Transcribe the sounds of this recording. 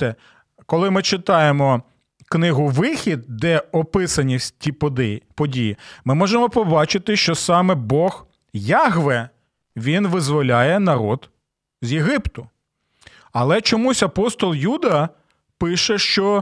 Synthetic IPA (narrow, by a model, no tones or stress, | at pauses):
ɛ | kɔlˠɪmɪt͡ʃɪt̪ɑjemɔ | knɪɦʊʋɪxʲid̪̚d̪ɛɔpɪsɐnʲitʲid̪pɔdʲijimɪmɔʒemɔpɔbɑt͡ʃɪt̪ɪʃt͡ʃɔsɑmɛbɔx | jɑɦʋɛ | ʋʲinʋɪzʋɔlʲajɛnɐɾɔd̪ | zʲjeɦɪpt̪ʊ | ɐlˠɛt͡ʃɔmusʲɐpɔst̪ɔlˠjud̪ɐ | pɪʃɛʃt͡ʃɔ